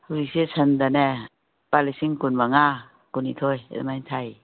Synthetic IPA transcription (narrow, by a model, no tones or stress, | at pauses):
huɾisisʰənd̪anɛ | palisiŋkunmaŋa | kunit̪ʰoj̰majnt̪ʰaj